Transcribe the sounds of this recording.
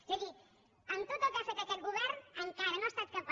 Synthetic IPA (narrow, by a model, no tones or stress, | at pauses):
siɣi | ənt̪ot̪akasak̪aket̪̚ɡuβɛɾnəŋkaɾənost̪at̪̚kəmp